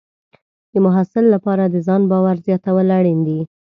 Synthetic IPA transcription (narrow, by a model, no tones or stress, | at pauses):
d̪̥əmʊɦɑsɪlːapɑɾad̪əzɑnbɑwaɾzjɑt̪awəlaɽind̪i